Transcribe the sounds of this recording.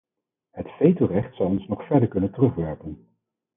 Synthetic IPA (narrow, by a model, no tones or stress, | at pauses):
ɦətfejtorɛχtsɑlˠɔnsnɔχfɛɹdəɹkɵnəntərɵχʋɛɹpən